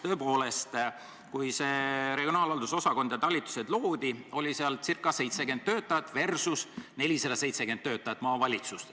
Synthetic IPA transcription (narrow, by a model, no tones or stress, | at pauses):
t̪ø̞ːpo̞ːle̞st̪ | kujse̞ɾeɡionɑːlɑld̪uso̞sɑko̞nd̪̥jɑt̪ɑlʲːit̪ːˑu̥sed̪lo̞ːd̪̥io̞lʲiseɑlt̪sirkːˑɑse̞jt̪se̞ɡe̞nd̪̚t̪ːø̞ːt̪ːˑɑjɑt̪ːˑve̞rsusne̞lʲisɑd̪ɑse̞jt̪se̞ɡenːøːt̪ːˑɑjɑt̪ːˑmɑːvɑlʲit̪sust̪